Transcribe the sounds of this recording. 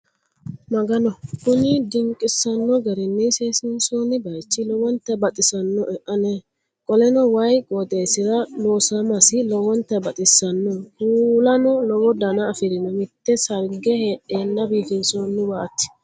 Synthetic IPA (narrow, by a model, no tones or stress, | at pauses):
mɐɡɐnɔkʊnɪd̪ɪŋkʼɪsɐnːɔɡɛɾɛnːɛseːsɪnsoːnɪbɐjt͡ʃːɪlɔwɔnt̪ːɛbɐt̪ʼɪsɐnːɔʔɛʔɐnɛ | kʼɔlɛnɔwɐjkʼɔd̪eːsɪɾɐloːsɐmɐsɪlɔwɔnt̪ːɛbɐt̪ʼɪsɐnːɔhuːlɐnɔlɔwɔd̪ɐnɐːfɪɾɪnɔmɪt̪ːɛsɐɾɡɛheːɗːe̞ːnːɐbiːfɪnsoːnːɪbaːt̪ːɪ̥